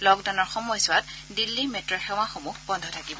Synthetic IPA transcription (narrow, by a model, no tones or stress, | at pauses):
lɔɡdaʊnɔɹxɔmɔjsʊatdilːimɛtɹɔxɛw̃ãxomuhbɔndʱɔtʰakibɔ